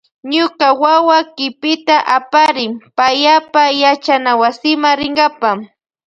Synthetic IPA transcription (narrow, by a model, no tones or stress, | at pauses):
ɲʊkawawakɪpɪt̪aʔapaɾɪpajapajat͡ʃanawasɪmaɾɪŋɡapa